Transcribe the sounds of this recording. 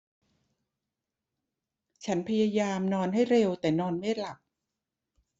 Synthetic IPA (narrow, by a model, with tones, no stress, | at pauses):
t͡ɕʰa˦˥npʰa˧jaː˧jaː˧mnɔː˧nɦa˥˩jɾe˧wt̪ɛː˨˩nɔː˧nma˥˩la˨˩k̚